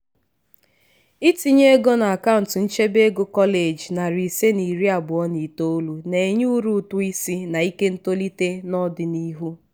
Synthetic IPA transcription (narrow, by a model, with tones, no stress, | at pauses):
i˦ti˨ɲe˦ɡo˦na˨a˨ka˦ʊ˨n̩˨tn̩˦t͡ʃe˦be˦ɡo˦kɔ˦le˨d͡ʒna˨ɾi˨se˦ni˨ɾi˦a˨bʊ˨ɔ˦ni˨to˦o˦lu˨ne˨ɲu˦ɾu˦˨tʊ˦i˦si˦na˨i˦ke˦n̩˦to˦li˦te˦nɔ˦dɪ˨ni˦ɦu˦